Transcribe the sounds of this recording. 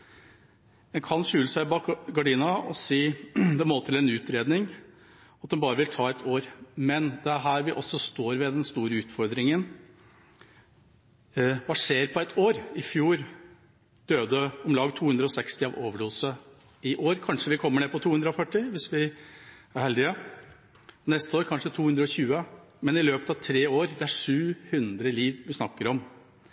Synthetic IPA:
ɛnkʰɑnʂʉːləsæɪbɑɡɑɖiːnɑɔsiːd̪ɛmoːt̪ʰɪlɛnʉːt̪ɾeːd̪nɪŋ | ɑt̪̚d̪ɛnbɑːɾəʋɪlt̪ʰɑːɛt̪ʰoːɾmɛnd̪ɛæɾɦæːɾʋɪʔɔsːɔst̪oːɾʋɛd̪ɛnst̪uːɾəʉːt̪fɔɾd̪ɾɪŋən | ʋɑːʂeːɾpʰɔæɪt̪ʰoːɾɪfjuːɾ | d̪̥øːd̪əɔmlɑːɡt̪ʰuːhʉnɾəɔsɛkst̪ɪɑʋoːʋəɖuːsə | ɪʔoːɾkʰɑnʂəʋɪkʰɔmːəɳeːpʰɔt̪ʰuːʉnɾəɔfœʈːɪʋɪsʋɪ | æɾhɛld̪ɪə | nɛst̪əoːɾkʰɑnʂət̪ʰuːhʉnd̪ɾəɔçʉːə | mɛnɪløːpət̪ɑʋt̪ʰɾeːoːɾd̪ɛæʂʉːhʉnd̪ɾəliːʋʋɪsnɑkːəɾɔm

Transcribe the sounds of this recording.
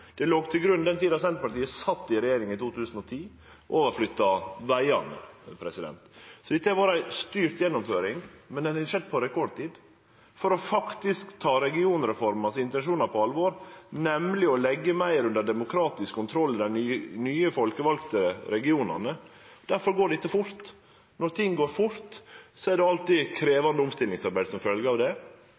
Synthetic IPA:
d̪̥ɛloːɡt̪ʰɪlɡɾʉnd̪ɛnt̪ʰiːd̪ɑsɛnt̪pɑʈiːəsɑt̪ːɪɾɛjeːɾɪŋɪt̪ʰuːt̪ʰʉːsən̩ɔt̪ʰiː | ʔoːʋəɾflʏt̪ːɑʋæɪɑ̰nə̰pʰɾɛsɪd̪ɛ̰nt̪sɔd̪ɛt̪ːəæɾbɑːɾəæɪst̪yːɾt̪jɛnːɔmføːɾɪŋmɛnd̪ɛnʂɛd̪̚pʰɔɾɛkʰɔɖ̚t̪iːd̪ | fɔɾɔfɑkt̪ɪskt̪ʰɑːɾɛɡɪuːnɾɛfɔɾmɑsɪnt̪ɛnʂuːnɑpʰɔɑlʋoːɾnɛmlɪɔlɛɡːəmæɪɾʉnd̪əɖɛmʊkʰɾɑːt̪ɪskʰːʊnt̪ʰɾɔlːɪd̪ænnyːəfɔlkəʋɑlkt̪əɾɛɡɪuːnɑ̰nə | d̪æɾfɔɾɡoːɖɪt̪ːəfʊɾt̪ | nɔɾt̪ʰɪŋːɡoːɾfʊɾt̪sɔɛɖɛɑlt̪ɪkʰɾeːʋɑnd̪əʊmst̪ɪlɪŋsɑɾbæɪd̪sɔmfœlɡəɑʋd̪ɛ

